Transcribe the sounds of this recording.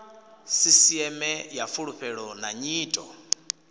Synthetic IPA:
sisiɛmɛjafuɺuɸɛɺɔnaɲiːtʼɔ

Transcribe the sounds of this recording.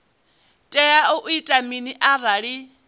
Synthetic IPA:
tʼɛjaʊʔuitʼaminiʔaɾaɺi

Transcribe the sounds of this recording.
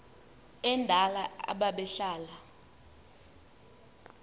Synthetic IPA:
ɛndʱalaa̰ɓaɓɛɬaːla

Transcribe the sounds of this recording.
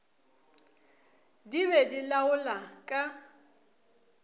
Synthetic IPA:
diβɛdilaʊlakʼa

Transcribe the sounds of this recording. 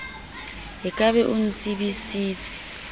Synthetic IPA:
ɦɪkʼaβɛʔun̩t͡sʼibisiːt͡sʼɪ̥

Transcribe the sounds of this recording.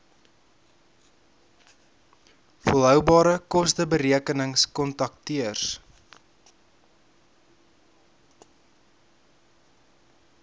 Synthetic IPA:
fəəlˠɦœwbɑːɾəkɔstəbəɾiəkənəŋskɔntɐk̚tiərs

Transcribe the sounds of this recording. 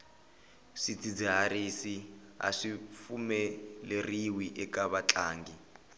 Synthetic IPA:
ʂit͡sid͡ziɦarisi | a̰ʂifumɛleriwiʔɛkaβat͡ɬaːŋɡi

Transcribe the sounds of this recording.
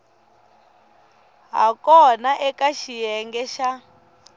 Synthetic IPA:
ɦa̰kɔnaʔɛkaʃijɛŋɡɛʃa

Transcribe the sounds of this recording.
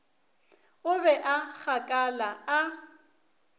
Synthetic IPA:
ʊbɛʔak͡xʰakʼalaa

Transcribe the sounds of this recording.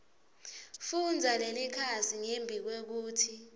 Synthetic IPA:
fund͡zʱalelikʰasiŋembʱik̬wek̬uːtʰi

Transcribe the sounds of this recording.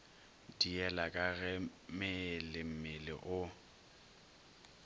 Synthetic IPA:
diɛlakʼaɣɛmɪlɪm̩mɪlɪ̰ʔʊ

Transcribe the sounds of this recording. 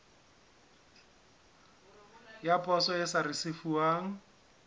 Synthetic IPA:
japʰʼɔsɔɪsarɪsɪfuaːŋ̩

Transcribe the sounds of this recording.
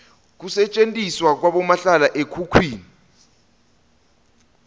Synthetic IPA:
k̬usɛt͡ʃʼentʼiswak̬waɓɔmaɬalaʔekʰukʰwiːni

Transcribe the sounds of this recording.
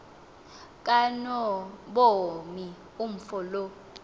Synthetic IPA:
kʼanɔɓomi | um̩fɔlo

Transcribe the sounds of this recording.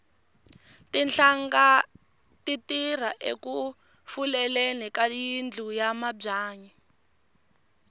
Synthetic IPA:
tinɬaŋɡa | titir̤aʔḛku | fulɛlenikajind͡ɮʱujamabb͡ʐaːɲi

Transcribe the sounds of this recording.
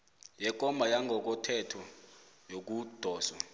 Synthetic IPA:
jɛk̬ɔmbʱajaŋʱɔk̬ɔtʰɛtʰɔ | jok̬ud̥ʱɔːsa

